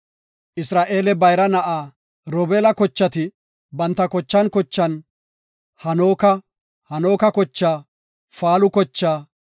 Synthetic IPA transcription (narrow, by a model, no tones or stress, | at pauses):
ʔɪsɾaːʔe̞ːlɛbɐjɾɐnɐʔaː | ɾɔbeːlɐkɔt͡ʃːɐt̪ɪ | bɐnt̪ːɐkɔt͡ʃːɐnkɔt͡ʃːɐn | hɐno̞ːkɐ | hɐno̞ːkɐkɔt͡ʃːaː | faːlʊkɔt͡ʃːaː